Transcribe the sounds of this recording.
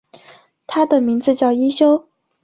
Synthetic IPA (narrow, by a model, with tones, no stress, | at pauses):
t̪ʰa˥d̪ə˨mi˧˥ŋd͡zɹ̩˧t͡ɕjɑ˥˩ʊi˥ɕjo˥ʊ